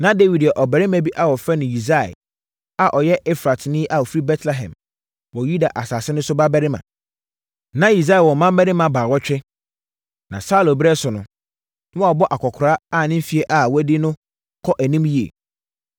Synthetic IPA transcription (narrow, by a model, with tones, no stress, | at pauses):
nã˦de˦wi˨dɛ˨ʔɔ˨bɛ˨ɾɪ˦mæ̃˨bi˦ʔa˨wɔ˨fɾɛ˦nɪ̃˨ji˨z̬a˦˨ɛ̰˨ | a˨ʔɔ˨jɛ˦ʔɛ˦fɾa˨tnɪ̃˦ʔa˨ɔ˨fɾi˦bɛ˦tʰlɛ˨ɦɛ̰̃˨m | wɔ˨ju˦da˨ʔa˨saː˨sɪ˦nʊ̃˦sʊ˦ba˦bɛ˦ɾɪ˦mã̰˨ | nã˦i˨z̬a˦ɛ˨wɔ̃˨mã˦m˦bɛ˦ɾɪ˦mã˨baː˨wɔ˦t͡ɕᶣɪ˦ | nã˨sa˦˨lo˨bɪ˦ɛ˦sʊ˨nʊ̃˨˦ | nɪ̃˦˨ɔ˨bɔ˦ʔa˨kʰɔ˨kʰɾaː˦a˦˨nɪ̃˦m̩˦fi˦e˦ʔa˨wɔ˦dɪ˦nʊ̃˦ | kʰɔ˦ʔæ˨nĩ˦mji˦ḛ˨